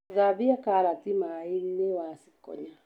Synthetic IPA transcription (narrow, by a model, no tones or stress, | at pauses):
zabiakaɾatimainewasi̥kɔ̰ɲa